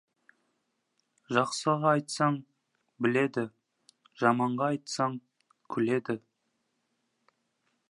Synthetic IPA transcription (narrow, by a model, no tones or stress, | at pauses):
ʒɑqsəʁɑɑjt̪sɑɴ | bɪle̞d̪ɪ | ʒ̥ɑmɑɴʁɑːjt̪sɑɴ | kʲʰʏle̞d̪ɪ